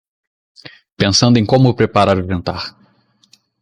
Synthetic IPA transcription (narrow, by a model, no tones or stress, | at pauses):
pẽsɐ̃nd̪ʊẽj̃kõmʊpɾepaɾaɾuʒẽnt̪aɾ